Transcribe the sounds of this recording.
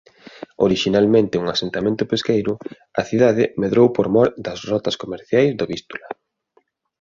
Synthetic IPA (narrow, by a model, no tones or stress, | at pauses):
o̰ɾiʃinalmẽnt̪ɪuŋasent̪amẽnt̪ʊpeskejɾʊ | ɐθiðaðɪmeðɾowpoɾmɔɾd̪ɐzrɔt̪ɐskomeɾθjajzðoβist̪ulɐ